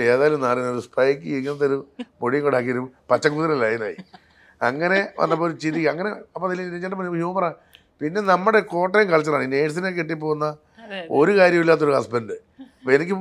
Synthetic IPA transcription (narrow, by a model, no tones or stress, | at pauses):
eːðaːjilumnaːrinːoɾuspʰɐjkʲːɨiɾikʲːunːɐt̪̬ːoɾumoɽijɐŋkoɳɖaːk̬ːiɐɾumpɐt͡ɕːɐŋkːut̪iɾɐɐlaːjinaːjḭ | ɐŋːɐne̞ʋɐ̰nːɐpːoːɾut͡ɕiðikʲːɐŋːɐne̞ɐpːot̪ilːɐiit͡ɕːaːʈːɐmpɐnhjuːmɐraː | pinːe̞nɐmːuɽe̞ko̞ːʈːejumkaːɻit͡ɕːɐraːɳine̞ːʈs̬inekːeʈːip̬ːoːɣunːɐ | o̞ɾukaːɾjɐmilːaːt̪̬ːo̞ɾuhɐsbendɨ | ɐpːoenikʲːɨ